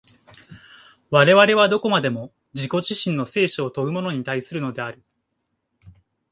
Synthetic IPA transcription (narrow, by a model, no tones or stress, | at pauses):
βaɾe̞βaɾe̞βad̪o̞ko̞mad̪e̞mo̞ | d͡ʑiko̞ʑiɕĩnːo̞se̞ːɕoːt̪o̞ɯ̟mo̞no̞ɲ̟it̪aisɨɾɯ̟no̞d̪e̞aɾɯ̟